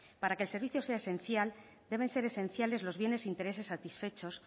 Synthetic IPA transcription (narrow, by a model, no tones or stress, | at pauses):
paɾakeːlse̞ɾβiθjo̞seaesẽ̞nθjal | d̪e̞β̞e̞nse̞ɾe̞sẽ̞nθjale̞zlo̞zβje̞ne̞sint̪e̞ɾe̞se̞sːat̪isfe̞t͡ʃo̞s